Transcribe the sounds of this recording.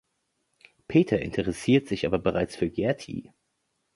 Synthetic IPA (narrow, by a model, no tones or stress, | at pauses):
pʰeːtʰɐʔɪ̰ntʰəʁɛsiːɐtz̥ɪçʔaːbɐbəʁaɪt͡sfyːɐɡɛɐtʰḭ